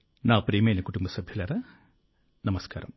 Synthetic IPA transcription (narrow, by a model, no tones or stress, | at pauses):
naːpɾeːmeːnɐkuʈːumbɐsɐbʱjɐlɐɾɐ | nɐmɐska̰ːɾɐ̰m